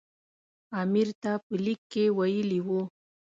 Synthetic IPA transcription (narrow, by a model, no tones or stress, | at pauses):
amɪɾt̪apəlɪkːewajəliwu